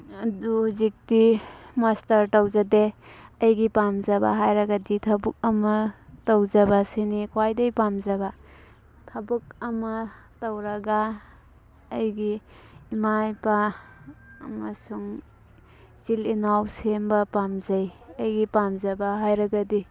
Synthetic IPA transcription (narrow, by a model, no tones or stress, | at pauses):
ɐduhuzik̚dimastɐɾtɐwzɐdeɐjɡipamzɐba̰ɦajɾɐɡɐditʰɐbuk̚ɐmɐtɐwzɐbasinikʰwajdɐjpamzɐba | tʰɐbuk̚ɐmɐtɐwɾɐɡa | jɡiː | majpa̰ː | mɐsuŋ | zilinawsembɐpamzɐjɐjɡipamzɐbaɦajɾɐɡɐdi